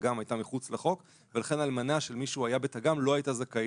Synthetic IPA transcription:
ɡamajtamiχut͡sleχo̞k | ve̞laχe̞nalmanaʃelmiʃuajabe̞taɡamlo̞ajtazaka

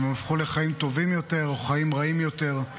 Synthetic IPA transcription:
memafχule̞χaimt̪o̞vimjo̞te̞ʁo̞χaimʁaimjo̞t̪e̞ʁ

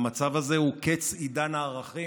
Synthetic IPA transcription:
mat͡savaze̞huket͡sid̪anaːʁaχi

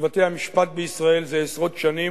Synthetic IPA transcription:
vat̪ejhamiʃpat̪̚beisʁaelzeesʁo̞t̪ʃani

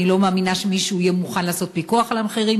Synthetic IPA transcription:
ilo̞maːminaʃemiʃuijemuχanlaːso̞t̪̚pikuaχalameχiʁim

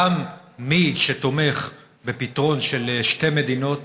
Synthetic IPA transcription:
amːiʃet̪o̞me̞χ | be̞pit̪ʁo̞nʃelʃteme̞d̪ino̞t

